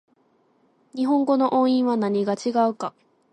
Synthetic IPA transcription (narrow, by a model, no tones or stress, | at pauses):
ɲ̟iɦõ̞ŋɡo̞no̞ʔõɰ̃ĩɰ̃βanaɲ̟iɡat͡ɕiɡaɯ̟ka